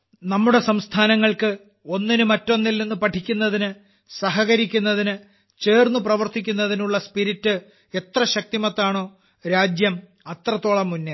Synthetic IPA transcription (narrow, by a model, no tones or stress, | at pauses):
nɐmːuɽe̞sɐmst̪ʰaːnɐŋːɐɭkɨ | o̞nːinɨmɐtːo̞nːilnenːupɐʈʰikʲːunːɐðinɨ | sɐɦɐɣɐɾikʲːunːɐðinɨ | t͡ɕe̞ːrnːuprɐʋɐrt̪ikʲːunːɐðinuɭːɐspiɾitːɨ | e̞t̪rɐɕɐk̚t̪imɐt̪ːaːɳo̞ː | ɾaːd͡ʑjɐm | ɐt̪rɐt̪ːo̞ːɭɐmːunːe